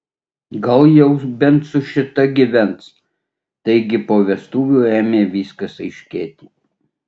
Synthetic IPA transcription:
ɡɐlˠjɛʊbʲɛnt̪sʊʃʲɪt̪ɐɡʲɪʋʲɛnt̪s | t̪ɐɪɡʲɪpoːʋʲɛst̪uːʋʲuːæːmʲeːʋʲiːskɐsɐɪʃʲkʲeːt̪ʲiː

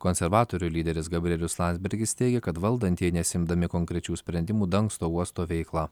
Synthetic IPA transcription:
konʲsʲɛɾʋɑːt̪oːɾʲulʲiːd̪ʲɛɾʲɪsɡɐbʲɾʲɛlʲʊslˠɑnʲzʲbʲɛɾʲɡʲɪst̪ʲɛɪɡʲɛkɐt̪ʋɐlˠd̪ɐnʲt̪ʲɛɪnʲɛsʲɪmd̪ɐmʲɪkoŋkɾʲɛt͡ʃʲuːsʲpʲɾʲɛnʲd̪ʲɪmuːd̪ɐŋkst̪oːuɔst̪oːʋʲɛɪklˠɑː

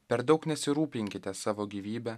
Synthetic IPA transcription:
pʲɛɾd̪ɒʊknʲɛsʲɪɾuːpʲɪŋʲkʲɪt̪ʲɛsɑːʋoːɡʲiːʋʲiːbʲɛ

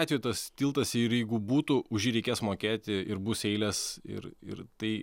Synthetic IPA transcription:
t̪ʲʋʲejt̪ɐst̪ʲiːlˠt̪ɐsɪɾjɛɪɡʊbuːt̪uʔʊʒʲjiːɾʲɛɪkʲeːsmoːkʲeːt̪ʲɪɪɾbuːsɛɪlʲɛsɪ̰ɾɪ̰rt̪ɐɪ

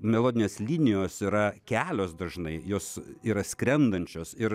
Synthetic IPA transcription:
mʲɛlˠoːd̪ʲɪnʲeːslʲiːnʲɪjoːsiːɾɐkʲæːlʲoːsd̪ɐʒnɐɪjoːsiːɾɐsʲkɾʲɛnd̪ɐnʲt͡ʃʲoːsɪɾ

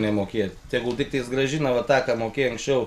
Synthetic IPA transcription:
nʲɛmoːkʲeːjɛt̪ʲɛɪɡʊt̪ʲɪkt̪ɐɪsɡrɐʒʲinɐʋɐt̪ɑːkɑmoːkʲeːjɐŋksʲt͡ʃʲɛʊ

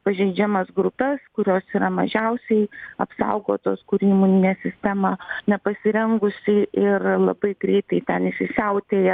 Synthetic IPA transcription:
pɐʒʲɛɪd͡ʒʲɛmɐsɡɾʊpʲɛskʊɾʲoːsiːɾɐmɐ̰ʒʲɛʊsʲɛɪɐpsɐ̰ʊɡoːt̪oːskʊɾʲiːmʊnʲɪnʲeːsʲɪsʲt̪ʲæmɑnʲɛpɐsʲɪɾʲɛŋɡʊsʲɪʔɪrlˠɐ̰bɐɪɡɾʲɛɪt̪ɐɪt̪ʲɛnɪsʲɪsʲɛʊt̪ʲeːjɛ

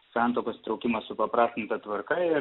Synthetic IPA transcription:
sɑˑnt̪oːkoːst̪ɾɔʊkʲɪmɐssʊpɐpɾɑːsʲt̪ʲɪnt̪ɐt̪ʋɐɾkɐɪ

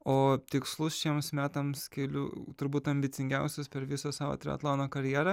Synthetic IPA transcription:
oːt̪ʲɪkslˠʊsʃʲiɛmsmʲæːt̪ɐmskʲɛːlʲʊ̰t̪ʊɾbuːt̪ɐmʲbʲɪt̪sʲɪŋʲɡʲɛʊsʲʊspʲɛɾʋʲɪsɐsɑːʋo̰ːt̪ʲɾʲɪ̰ɐ̰t̪lˠɑːnoːkɐɾʲjæːɾɐ

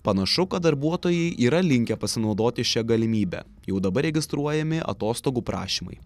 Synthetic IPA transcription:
pɐnɐʃʊkɐd̪ɐɾbuɔt̪oːjɛɪʔiːɾɐlʲɪŋʲkʲɛpɐsʲɪnɒʊd̪oːt̪ʲɪʃʲɛɡɐlʲɪmʲiːbʲæ̰ | jɛʊd̪ɐbɐɾʲɛɡʲɪst̪ɾuɔjɛmʲɪʔɐ̰t̪oːst̪oːɡuːpɾɑ̰ːʃʲiːmɐ̰ɪ

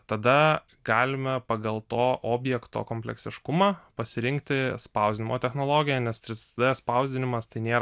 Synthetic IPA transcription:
t̪ɐd̪ɐ | ɡɑːlʲɪmʲɛpɐɡɐlˠt̪oːʔoːbʲjɛkt̪o̰ːkoːmʲpʲlʲɛ̰ksʲɪʃkʊmɑːpɐsʲɪɾʲɪŋkt̪ʲɪspɐʊzʲd̪ʲɪnʲɪmoːt̪ʲɛxnoːlˠoːɡʲɪjɛnʲɛst̪ɾʲɪst̪ɐd̪ɐspɐʊzʲd̪ʲɪnʲɪmɐst̪ɐɪnʲeːɾ

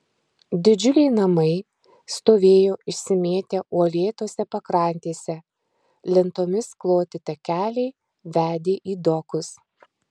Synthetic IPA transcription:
d̪ʲɪd͡ʒʲʊlʲɛɪnɐmɐɪ | st̪oːʋʲeːjoːʔɪʃʲsʲɪmʲeːt̪ʲɛʔuɔlʲeːt̪oːsʲɛpɐkɾɑˑnʲt̪ʲeːsʲɛ | lʲɪnt̪oːmʲɪsklˠoːt̪ʲɪt̪ɐkʲæːlʲɛɪ | ʋʲæːd̪ʲeːʔiːd̪ɔkʊs

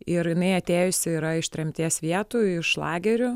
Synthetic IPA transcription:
ɪɾjɪnɐɪɐt̪ʲeːjʊsʲɪɪɾɐɪʃt̪ʲɾʲɛmʲt̪ʲiɛsʋʲiɛt̪uːɪʃlˠɑːɡʲɛɾʲʊ

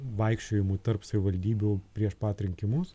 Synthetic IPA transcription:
ʋɐɪkʃʲt͡ʃʲoːjɪmuːt̪ɐrpsɐʋʲɪʋɐlʲd̪ʲiːbʲuːpʲɾʲiɛʃpɑːt̪ɾʲɪŋʲkʲɪmʊs

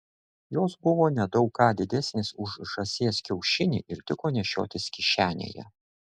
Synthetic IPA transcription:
joːsbʊʋoːnʲɛd̪ɒʊkːɑːd̪ʲɪd̪ʲɛsʲnʲesʊʃʒɐsʲeːskʲɛʊʃʲɪnʲɪ̰ʔɪɾt̪ʲɪkoːnʲɛʃʲo̰ːt̪ʲɪskʲɪʃʲæːnʲḛːjɛ̰

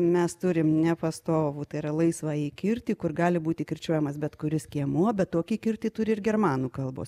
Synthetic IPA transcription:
mʲɛst̪ʊɾʲɪmnʲɛpɐst̪oːʋuːt̪ɐɪɪɾɐlˠɐɪsʋɑːiːkʲɪɾʲt̪ʲiːkʊrɡɑːlʲɪbuːt̪ʲɪkʲɪrʲt͡ʃʲuɔjɛmɐsbʲɛt̪kʊɾʲɪskʲiɛmuɔbʲɛt̪t̪oːkʲiːkʲɪrʲt̪ʲiːt̪ʊɾʲɪɪɾɡʲɛrmɑːnuːkɐlˠbo̰ːs

